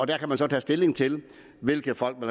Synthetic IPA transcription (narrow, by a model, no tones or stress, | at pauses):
ɒ̽d̥æɐkʰæmænsɒ̽t͡sʰɛ̰ːsd̥e̝le̝ŋt͡sʰe̝l | ʋe̝lɡ̥ð̩ˠfɒ̽l̰ɡ̥mæl